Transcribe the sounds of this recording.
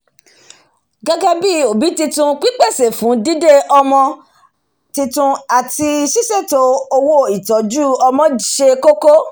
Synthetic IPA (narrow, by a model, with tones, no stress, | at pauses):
ɡa˦ɡa˦bi˦˨o˨bi˨˦ti˧tũ˧k͡pi˦k͡pɛ˦˨se˨fũ˨˦di˦de˦ɔ˧mɔ̃˧ | ti˧tũ˧a˨ti˧ʃi˦se˦˨to˦o˧wo˦i˨tɔ˨˦d͡ʒu˦ɔ˧mɔ̃˧˨ʃe˧ko˦ko˦